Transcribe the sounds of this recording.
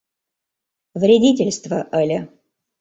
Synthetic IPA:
vɾʲedʲitʲɪlʲst̪vəʔəlʲə

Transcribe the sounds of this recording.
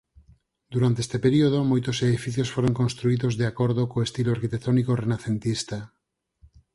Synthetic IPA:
d̪uɾant̪eest̪epeɾioð̞omojt̪oseðifiθjosfoɾoŋkõnst̪ɾuiðozðeakoɾðokoest̪iloaɾkit̪ekt̪onikorenaθent̪ist̪a

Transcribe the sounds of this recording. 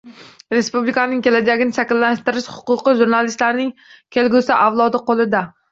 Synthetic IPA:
ɾe̞spublikanɪŋkʲe̞lad͡ʒaɡʲɪnɪʃakʲɪlːaʃt̪ɪɾɪʃhʊ̥qʊqɨʒuɾnalist̪laɾnɪŋkʲʰe̞lɡʲʊsaʔavlˠɒd̪ɪqʰolˠɪd̪a

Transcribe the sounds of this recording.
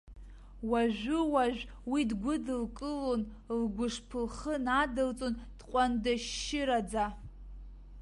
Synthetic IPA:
waʒʷᶣʊwaʒᶣʷ | widɡʷʊdɨlkʼɨlon | lɡʷʊʂpʰɨlχənadɨlt͡sʼond̥qʷʼandaʃɪɾad͡za

